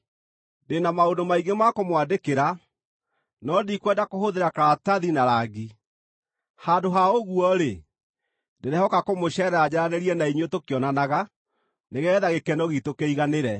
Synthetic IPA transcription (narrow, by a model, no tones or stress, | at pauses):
denamaondomaiɡemakomwadekeɾa | nɔdikwɛdakohoðeɾakaɾataðinaɾaɡi | handoɦaoɣuɔɾe | deɾɛhɔkakomoɕɛɾad͡ʑaɾaneɾiɛnaiɲotokeɔnanaɣa | neɣɛːðaɣekɛnɔɣitokeiɣaneɾɛ